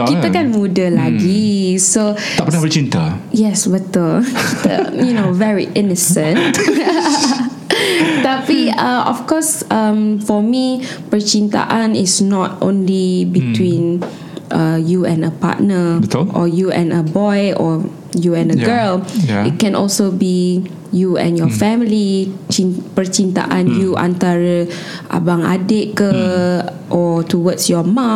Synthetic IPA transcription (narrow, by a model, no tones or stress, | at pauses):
kit̪əkɛ̃nmudəlaɡiso | apəəpət͡ʃĩnt̪əjɛsbət̪əlkit̪ə̰junovɛɹiʔinəsə̃n | t̪apiaɔ̰fkɔsʌ̃mfɔmipət͡ʃĩnt̪a̰ʔãnisnɔtõ̰nlibitwĩn | ʔəjuɛ̃nəpa̰t̚nəʔɔjuɛ̰̃nəbɔjɔ | juɛ̃nəɡəlit̚kɛ̃nʔɔ̰lsobi | juɛ̰̃njɔfɛmilit͡ʃipət͡ʃint̪a̰ʔãnjuʔã̰nt̪aɹə | ʔa̰bãŋa̰det̚kə | ʔɔtuwətsjɔmã